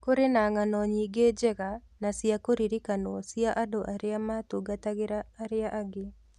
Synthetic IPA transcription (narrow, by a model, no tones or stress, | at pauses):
koɾenaŋanɔɲiɡed͡ʒɛɣa | nasiakoɾiɾikanɔɔsijaʔadoʔaɾeamatoɡataɣeɾaːɾeaʔaɡe